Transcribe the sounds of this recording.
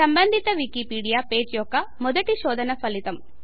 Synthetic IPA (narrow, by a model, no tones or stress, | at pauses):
sɐmbɐnd̪ʱit̪ɐʋikipiːɽijaːpeːd͡ʒjɔkːɐmɔd̪ɐʈiʃɔːd̪ɐnɐpɐlit̪ɐm